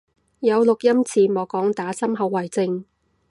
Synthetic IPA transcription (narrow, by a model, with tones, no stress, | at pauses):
jɐ˨˧wlʊ˨k̚jɐ˥mt͡sʰiː˨˧mɔː˨˧kɔː˨˥ŋt̪aː˨˥sɐ˥mɦɐ˨˧wːɐ˨˩jt͡sɪ˧ŋ